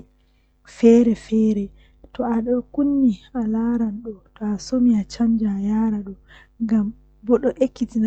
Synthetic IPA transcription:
fɛːɾɛfɛːɾɛ | tɔaɗɔkunːialaɾanɗɔtɔasomiat͡ʃamd͡ʒajaːɾaɗɔ | ŋɡam | bɔɗɔʔekːitina

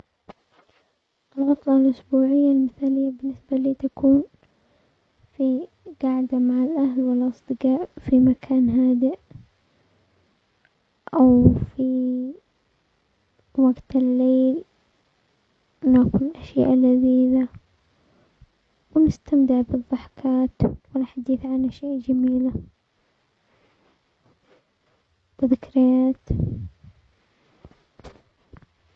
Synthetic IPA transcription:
ʔɪlɣɑt̪ˤlɑlʔʊsbuːʕɪjːalmɪθaːlɪjːabɪnːɪsbaliːt̪akʰuːn | fi | ɡ̥aʕd̪amaʕalʔahlwalːʔɑsˤd̪̥ɨɡɑːʔfimakʰaːnɦaːd̪ɪʔ | ʔawfi | waɡt̪ɪlːeːl | wnakʊlɪlʔaʃja̰ːʔalːaziːla | wnɪst̪amd̪ɪʕbɨðˤːɑħkaːt̪wɪnħad̪iːθʕanaʃjaːʔd͡ʒamiːla | b̥ɪðɪkɾɪjaːt̪

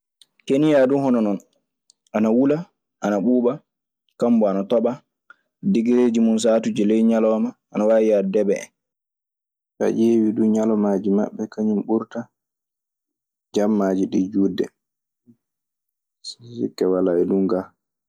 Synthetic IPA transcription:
kenijaduhɔnɔnɔn | ʔanawula | ʔanaɓuːɓa | kambɔanatɔɓa | diɡiɾeːd͡ʒimuns̬aːtud͡ʒilɛjɲalɔːmaʔːnawaːjiadɛbɛɛ̰n | ɗa̰ʔeːwiduɲalɔmaːd͡ʒima̰ɓːɛkaɲumɓuɾta | d͡ʒamːad͡ʒiɗid͡ʒuːdːɛ | ssḭkːɛwalaɛluŋɡa

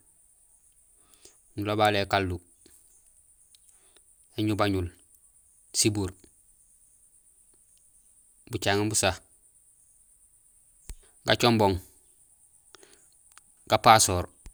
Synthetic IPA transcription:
nulobalekalːu | eɲubaɲul | sibuɾ | but͡ʃaŋibusah | ɡat͡ʃomboŋ | ɡ̥apasoːɾ

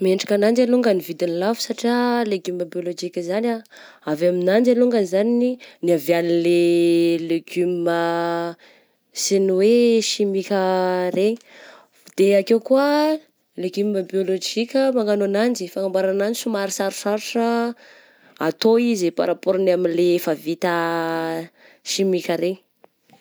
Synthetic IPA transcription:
meɳɖ͡ʐḁkanand͡ʒaluŋɡənivid̪inlavu̥saʈ͡ʂialeɡuməbiolod͡ʒikʲəzanʲa | avaminand͡ʒaluŋɡəzanininiavjanileleɡummə | seniweʃimikʲəreɲi̥ | d̪̥eakewkuə | leɡymməbiolod͡ʒikʲəmaŋɡanonand͡ʒifaŋambaɾananisumaɾisaɾusaɾuʈ͡ʂə | at̪oizipa̰ɾapoɾnaminlefavit̪ə | ʃimikʲəɾe

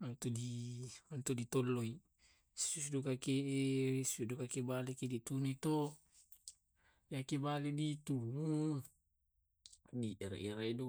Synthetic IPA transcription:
ant̪odiant̪odit̪ɔlːoi | susdokakesudokakebalekedit̪unit̪o | jakebaledit̪u | diʔɛɾḛɾedu

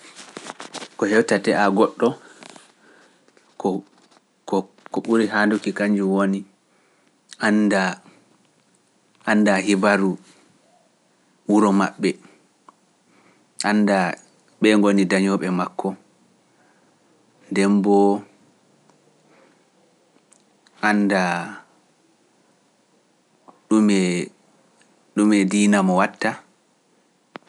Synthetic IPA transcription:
kɔhɛwtatɛʔaɡɔɗːɔ | kɔ | kɔ | kɔɓuɾiɦandukikaɲd͡ʒuwoni | ʔanda | andaɦibaɾu | wuɾɔma̰ɓːɛ | ʔanda | ɓɛŋɡonidaɲɔɓɛmakʰːɔ | ndɛmbɔ | ʔanda | ɗumɛ | ɗumɛdiːnamɔwatːa

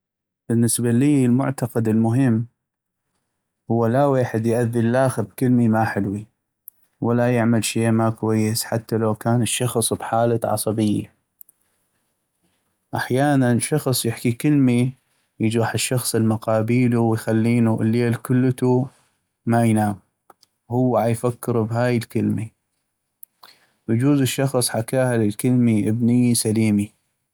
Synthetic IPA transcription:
b̥ənːəsbaliːlmʊ̰ʕt̪ɑqad̪əlmʊɦɪmː | hʊwːalaweːħɪd̪jʔaðːəllaːxɪbkəlmimaħɪlwi | walajɪʕmalʃeːmakwajːəsħat̪ːalawkaːnəʃːɑxsˤbħaːlaʕɑ̰sˤɑbɪjːa̰ | ʔaħjaːnanʃɑxsˤjɪħkikɪlmi | jɪd͡ʒaːħəʃːɑxsˤəlmʊqɑːbiːluwjxalːiːnuʔɪlːeːlkʊlːt̪u | majnaːm | hʊwːʕajfakːɪɾbɦaːjəlkɪlmi | wəd͡ʒuːzɪʃːɑxsˤħakaːhalɪlkəlmiʔəbnɪjːisaliːmi

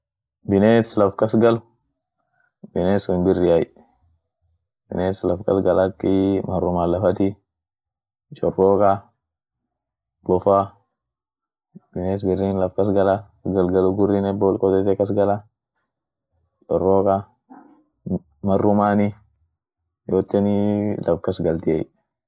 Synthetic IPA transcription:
bɪneːslɐfkɐsɡɐlʊ | b̥ɪneːsʊnbɪrːɪjɐj | b̥ɪ̰neːslɐfkɐ̰sɡɐlɐkːɪmɐrːʊmaːlɐfɐt̪i | t͡ʃʼɔrːoːkʼɐ | bɔfa | b̥ɪneːs̬bɪrːiːnlɐfkɐsɡɐlɐ | ɡɐlɡɐlʊɡʊrːɪnɛboːlkʼɔt̪ɛt̪ɛkɐs̬ɡɐlɐ | t͡ʃʼɔrːoːkʼɐ | mɐrːʊmaːnɪ | joːt̪ːɛnɪlʔɐfkɐsɡɐlt̪ɪɐ̰j

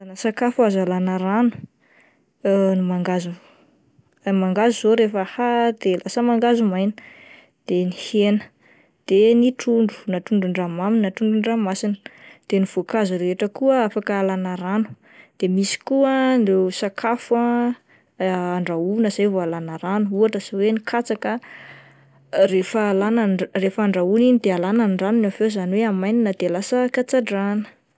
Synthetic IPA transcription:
anəsakafuazalanəɾanu̥ | nimaŋɡazu | maŋɡazuzoɾefəhad̪elasəmaŋɡazumajnə̥ | d̪̥enihenə̥ | d̪̥eniʈ͡ʂuɳɖ͡ʐu̥naʈ͡ʂuɳɖ͡ʐuɳɖ͡ʐamaminʈ͡ʂuɳɖ͡ʐuɳɖ͡ʐamasinə̥d̪̥eniv̥okazuɾeeʈ͡ʂəkuəafakaalanaɾanu̥ | d̪̥emisi̥kuənɖ͡ʐesakʰafa | ɳɖ͡ʐaunəzajvoalanaɾanuuaʈ͡ʂəsawenikʰat͡sakə | ɾefəːlanrefəːɳɖ͡ʐauninid̪ealananɖ͡ʐanunavezaniweamajninad̪elasəkat͡saɖ͡ʐanə̥

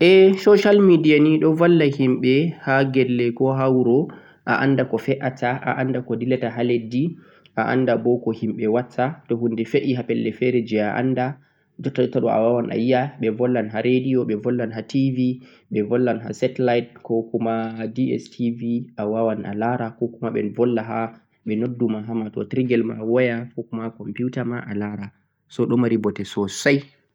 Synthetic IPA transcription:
ʔɛsɔʃalmidijaniɗɔvalːahimɓɛhaɡɛlːɛkɔɦawɾɔ | ʔa̰ʔandakɔfɛʔataʔa̰ʔandakɔdilataɦaledːi | ʔaʔa̰ndabɔkɔhimɓɛwat͡sːatɔhundɛfeʔihapɛlːɛfɛɾɛd͡ʒɛaʔa̰nda | d͡ʒɔtːaɗɔtːaɗɔa̰wawanʔa̰jːaɓɛvɔlːanɦaɾediɔɓɛvɔlːanɦativi | ɓɛvɔlːanɦa̰sɛtlajt̚kɔkumadiɛ̰stʰiviʔawawana̰laɾakɔkumaɓɛ̰nvɔlːaɦa | ɓɛnodːumaɦamatɔ̰tɾiɡɛlma̰wɔjafɔkumakɔmpiutamaʔalaɾa | sɔɗɔmaɾibɔtɛsɔsaj

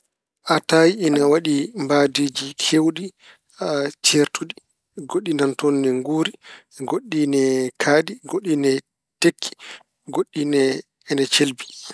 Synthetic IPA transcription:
ʔatajiɛnawaɗimbaːdiːd͡ʒikʰewɗi | at͡ʃeɾtuɗi | ɡoɗːinantɔnːɛŋɡuːɾi | ɡoɗːinɛkʰaɗiɡoɗːinɛ | tekʰːi̥ | ɡoɗːinɛ | ɛnɛt͡ʃelbi

